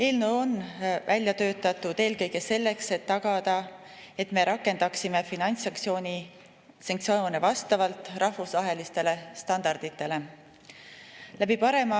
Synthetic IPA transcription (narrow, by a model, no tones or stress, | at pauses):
e̞ːlneonvælʲjɑt̪ø̞ːt̪ːɑt̪ːˑut̪e̞ːlkɤjɡe̞se̞lːe̞kse̞t̪ːɑɡ̥ɑd̪ɑ | e̞t̪me̞ɾɑkːˑe̞nd̪̥ɑksimefinɑnʲt̪sɑŋk̪sio̞ːnʲi | sɑŋkt̪sioːnevɑst̪ɑvɑlt̪ːˑrɑhvusvɑɦe̞list̪e̞le̞st̪ɑnd̪̥ɑrd̪̥it̪ːˑe̞le̞ | læbipɑɾe̞mɑ